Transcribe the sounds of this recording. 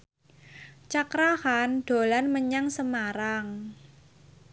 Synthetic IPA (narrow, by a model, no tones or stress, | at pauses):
t͡ʃakɾahanɖ̪̥o̤lanməɲaŋsəmaɾaŋ